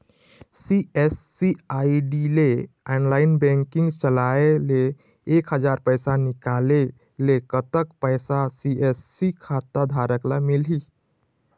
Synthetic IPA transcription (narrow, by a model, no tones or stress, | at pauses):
siesːiaiɖile | anlainbɛ̃ŋkĩŋɡt͡ʃəlaeleː | kɦəd͡ʒaɾpəjsanikale | lekət̪əkpəjsasiesːikʰat̪ːad̪ʱaɾəklamilɦi